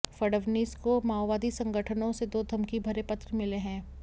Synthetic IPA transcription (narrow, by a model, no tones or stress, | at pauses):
fɐɽəʋniːskomaːwʋaːd̪isɐ̃ŋɡʱəʈʰənõsed̪oːd̪ʱɐmkibʱɐɾepɐt̪ɾəmɪleɦɛ̃ː